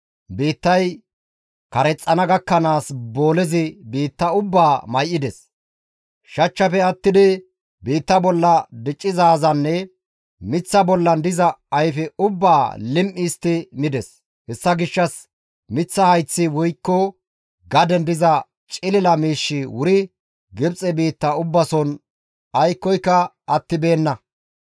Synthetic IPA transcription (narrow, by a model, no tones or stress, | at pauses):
biːt̪ːɐj | kɐɾɛt͡sʼːɐnɐɡɐkːɐnaːsbo̞ːlɛzɪbiːt̪ːɐʊbːaːmɐjʔɪd̪ɛs | ʃɐt͡ʃːɐfɛɐt̪ːɪd̪ɪ | biːt̪ːɐbɔlːɐd̪ɪt͡ʃʼːɪzaːzɐnːɛ | mɪt͡sːɐbɔlːɐnd̪ɪzɐɐjfɛʊbːaːlɪmʔɪst̪ɪmɪd̪ɛs | hɛsːɐɡɪʃːɐs | mɪt͡sːɐhɐjt͡sːɪwɔjkːɔ | ɡɐd̪ɛnd̪ɪzɐ | t͡ʃʼɪlɪlɐmiːʃːɪwʊɾɪ | ɡɪbt͡sʼːɛbiːt̪ːɐʊbːɐsɔn | ɐjkːɔjkːɐ | ɐt̪ːɪbe̞ːnːɐ